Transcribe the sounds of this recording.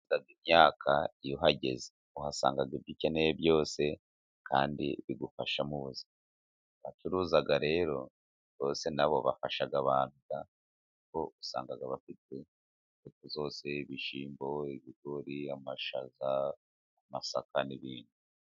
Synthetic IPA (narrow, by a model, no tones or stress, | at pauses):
zaɡimɲaːkʰaijoɦaɟe̞ze̥ | uhasa̰ːŋɡaɡibɟiceneebjo̞ːse̞ | kʰaːndḭβiɡufaʃamuβuzia | βatuɾuːzaɡaɾe̞ːɾo̞ | βo̞ːse̞naβo̞̰βafaʃaɡaβaːnuɡa | ko̞usa̰ːŋɡaɡaβafite̞ | ekuzo̞ːse̞iβiʃiːmbo̞iβiɡo̞ɾiamaʃazaː | masakaniβiːnu